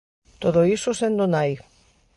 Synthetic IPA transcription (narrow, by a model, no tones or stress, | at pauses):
t̪oðoisusend̪onaj